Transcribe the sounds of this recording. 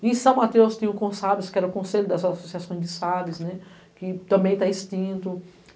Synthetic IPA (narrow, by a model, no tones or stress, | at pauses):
ẽsɐ̃w̃mat̪ewst̪ĩj̃ɐ̃ʊkõsavɪskɪɛɾɐʊkõseʎʊd̪ɐzasosiasõj̃zd͡ʒɪsavɪsnɛ | kɪt̪ɐ̃mbẽj̃t̪aist͡ʃ̪ĩnt̪ʊ